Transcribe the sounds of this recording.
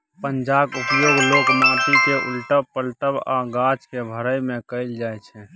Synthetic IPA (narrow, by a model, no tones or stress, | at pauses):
pənd͡ʒakupjoɡlokmap̪ikeʔṵlʈəbpəlʈəba̰ɡat͡ʃkebʱəɾəjmẽkəɪld͡ʒaɛt͡ʃʰɛ̃